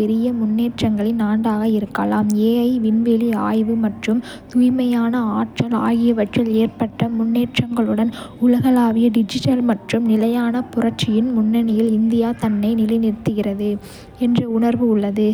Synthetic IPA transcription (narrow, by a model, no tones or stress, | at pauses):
ɛɾɪjɐmʊnːeːʈrɐŋɡɐɭɪnaːɳɖaːɣɐɪɾɯkːɐlaːmeːɐɪʋɪnʋeːliaːjʋɯmɐʈrɯm | t̪ʊjmɐjaːnɐaːʈrɐla̰ːɣɪjɐʋɐʈrɪleːrpɐʈːɐmʊnːeːʈrɐŋɡɐɭɯɽɐnʊlɐɣɐlaːʋɪjɐɖɪd͡ʒɪʈɐlmɐʈrɯmnɪlɐjaːnɐpʊrɐɾt͡ʃɪjɪnmʊnːɐnɪjɪlɪnd̪ɪjaːt̪ɐnːɐɪnɪlɐɪnɪɾt̪ːɯɣɪrɐðɯ | ɛndrɐʊɳɐɾʋɯʊɭːɐðɯ